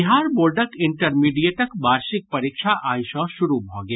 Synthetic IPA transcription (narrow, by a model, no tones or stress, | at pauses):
ɦaːɾboːɾɖəkɪɳʈəɾmiɖijeʈəkbaːɾʃɪk̚pɐɾikʃʰaʔaːĩsɔ̃ʃʊɾubʱɔ̃ɡe